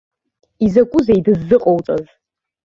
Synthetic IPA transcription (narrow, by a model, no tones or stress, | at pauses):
izakʷʼʊzajdɨzːɨqʼowt͡sʼaz